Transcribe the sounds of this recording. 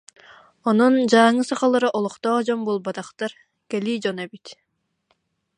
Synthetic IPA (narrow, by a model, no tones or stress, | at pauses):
ɔnund͡ʑaːŋɯsaχalˠaɾɯʔɔlˠuqt̪ɔːd͡ʑɔmbulˠbat̪aχt̪aɾ | kɛliːd͡ʑɔnɛbit̪